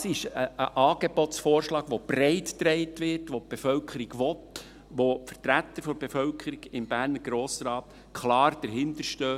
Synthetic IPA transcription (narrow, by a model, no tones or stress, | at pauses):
sɪʃəʔəʔɑːɡ̥ebɔtsfɔːɾʃlɑːɡ̥ʋob̥reɪtːɾeɪtʋɪrtʋop̚b̥efœlkʰəɾiɡʋɔt | ʋofərtɾæt̪ːəɾfɔɾb̥efœlkʰəɾiɡɪmbæːɾnəɾɡ̥ɾoːsɾɑːt̪ | kʰlɑːɾd̥əɾɦɪntəɾʃtøː